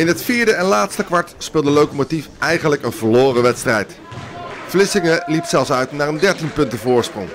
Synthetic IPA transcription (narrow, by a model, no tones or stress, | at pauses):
ɪnɦətfiːɹdəɛnlaːtstəkʋɑɹtspɪːlˠdəlowkomotifɛjχənləkənvəɹloːrəʋɛtstrɛjt | flɪsɪŋəlipsɛlˠfsœɥtnaːɹəndɛɹtinpɵntəvʊːɹsprʊ̰ŋ